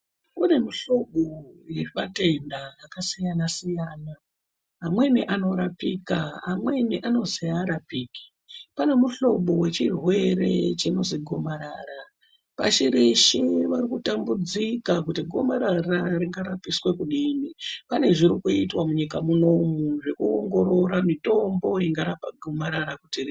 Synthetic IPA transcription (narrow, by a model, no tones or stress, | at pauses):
une̞miɬo̞ɓojeimate̞ndaːkasijanasijaːna | ɦːmwe̞niʔano̞ɾapikaamwe̞niʔano̞ziaɾapiːki̥ | pane̞muɬo̞ɓo̞we̞t͡ʃirwe̞ɾe̞̰t͡ʃino̞ziɡʱo̞maɾaːɾa | pa̰ʃiɾiʃiʋarikutambud͡zikakutiɡʱo̞maɾaraɾiŋɡaɾapiswe̞kuɗimipane̞ʐiɾikuitwamuɲikamuno̞muʐe̞kuo̰ŋɡo̞ɾo̞ɾamito̞mbo̞jiŋɡaɾapaɡʱomaɾaɾakutiri